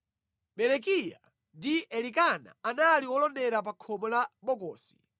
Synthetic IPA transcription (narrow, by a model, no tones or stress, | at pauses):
ɓɛɾɛkija̰ | ndiɛlikana̰analiwɔlɔndɛɾap̬akʰɔmɔlaɓɔkɔːsi̥